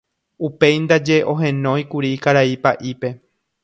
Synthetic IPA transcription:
upe̞jnd̪ad͡ʒe̞ʔõ̞ɦẽ̞nõ̞ikuɾikaɾaipaʔipe̞

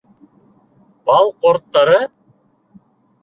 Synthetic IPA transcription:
b̥ɑlˠqoɾt̪ːɑɾɤ

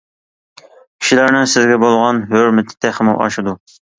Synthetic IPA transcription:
kʲʰi̥ʃilæɾnɪsɪzɡʲɛbolˠʁɑnɦøɾmɪt̪ʰɪ̥t̪ʰæχmṵwʔɑ̰ʃɪd̪u

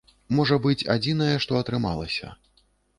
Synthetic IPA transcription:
mɔʐɐbɨt͡sʲa̰d͡zʲinɐjɛʂt̪ɔɐt̪ɾɨma̰lˠɐ̰sʲɐ̰

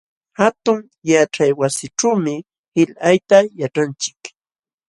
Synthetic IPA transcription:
hat̪ʊŋ | jaʈ͡ʂajwasɪʈ͡ʂawmɪ | hɪʎajt̪ajaʈ͡ʂant͡ʃɪ̥k

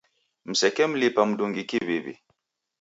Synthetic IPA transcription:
m̩sɛkɛm̩lipam̩duŋɡikibebḭ

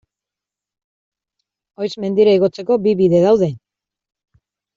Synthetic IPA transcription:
o̞jzme̞nd̪iɾaiɣo̞t͡se̞ko̞biβiðe̞ðawðe̞

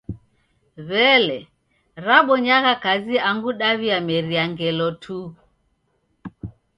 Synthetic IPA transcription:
βɛlɛ | ɾaɓɔɲaɣakaziaŋɡuɗaβiamɛɾiaŋɡɛlɔtʰu

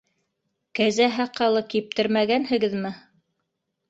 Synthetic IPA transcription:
kæzæɦæqɑlˠɤkip̚t̪ɘɾmæɡænhɘ̆ɡɘðmɘ

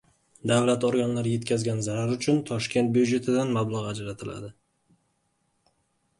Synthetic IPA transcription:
d̪avlat̪oɾɡʲanlaɾje̞t̪kʲazɡʲanzaɾaɾʊt͡ʃʰʊnt̪ʰɒʃkʲe̞nt̪̚bjud͡ʒe̞t̪ʰɪd̪anmablˠaʁad͡ʒɾat̪ʰɪla̰d̪ɪ

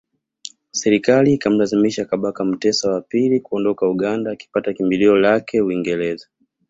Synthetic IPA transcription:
sɛɾikaliːkam̩lazimiʃakaɓakam̩tɛsawapilikuɔndɔkauɠandaːki̥patakimbiliɔlakɛuiŋɡɛlɛza

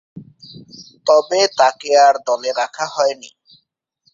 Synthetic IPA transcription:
t̪ɔbet̪akeaɾd̪ɔleɾakʰaɦɔenḭ

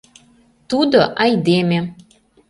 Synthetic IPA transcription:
t̪ud̪oʔɑjd̪emʲe

